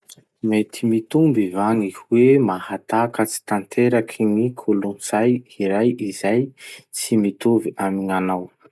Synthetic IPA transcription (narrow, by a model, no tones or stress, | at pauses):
met̪ʰimit̪umbivaniwemahat̪akət͡si̥t̪ant̪ʰeɾakʰinikʰulunz̥ajiɾajizajt͡simit̪uviamiŋanaw